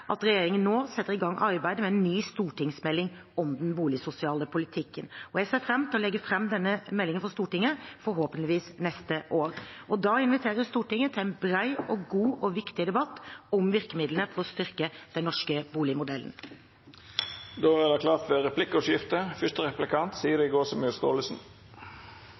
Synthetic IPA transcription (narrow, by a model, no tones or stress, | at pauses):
ʔɑ̰t̪ɾɛjeːɾɪŋənːoːsɛt̪ːəɾɪɡɑŋːʔɑɾbæɪd̪əmɛɛnːyːst̪uːʈɪŋsmɛlːɪŋ | ɔmd̪ɛnbuːlɪsʊsɪɑːləpʰʊlɪt̪ʰɪkːənɔjæɡseːfɾɛmːt̪ʰɪlɔlɛɡːəfɾɛmːd̪ɛnːəmɛlːɪŋənfɔɾst̪uːʈɪŋːəfɔɾɦoːpənlɪʋiːsnɛst̪əʔoːɾʔɔd̪ɑɪnʋɪt̪ʰeːɾəst̪uːʈɪŋːət̪ʰɪlæɪnbɾæɪɔɡuːʔɔʋɪkt̪ɪd̪ɛbɑt̪ːɔmʋɪɾkəmɪd̪lənəfɔɾɔst̪ʏɾkəd̪̥ɛnnːɔʂkəbuːlɪmʊd̪ɛlə̰n | d̪oːæd̪ɛklɑːt̪ʰʋɛʁɛpʰlɪkːəɔtjɪft̪əfʏst̪əʁɛplɪkʰɑnt̪siːəd̪ɛɪɡoːsɔmʉst̪oːləsn̩